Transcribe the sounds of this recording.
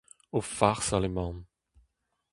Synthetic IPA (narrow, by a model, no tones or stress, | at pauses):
ofaʁsalemɑ̃